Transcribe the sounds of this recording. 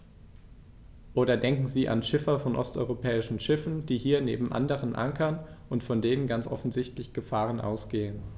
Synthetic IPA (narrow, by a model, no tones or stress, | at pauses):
ʔoːɾɐdɛŋkŋ̩ziːʔa̰nʃɪfɐfɔnʔɔ̰stʔɔ̰ʏʁopʰɛːɪʃn̩ʃɪfn̩d̥iːhiːɐnḛːbm̩ʔa̰ndəʁ̞ənʔa̰ŋkʰɐnʔʊntfɔndeːnənɡant͡sʔɔ̰fn̩zɪçtlɪçɡ̥əfaːʁ̞ənʔa̰ʊsɡ̥eːən